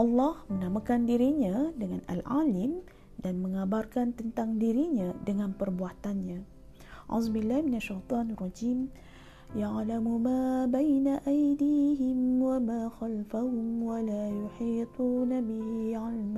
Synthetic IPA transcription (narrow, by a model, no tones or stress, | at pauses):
ʔɑlːɑhmənamakandiɾiɲãdəŋana̰lʕa̰ːlɪm | danməŋabarkant̪ənt̪aŋdiɾiɲãdəŋanpərbuat̪anɲã | ʕʊ̰zbilːahminaʃːajt̪ˤɑːnarˤɑd͡ʒiːm | jaʕlamumaːbajnaʔajdiːɦɪmwamaːxalfaɦʊmwalajuħiːt̪ˤuːnabihiʕalma